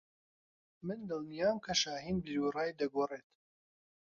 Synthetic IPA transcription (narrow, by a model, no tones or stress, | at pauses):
mɨnd̪ɨlˠnijaːmkʰɐʃaːɦiːnbɨlurɑːjd̪ɐɡoːreːt̪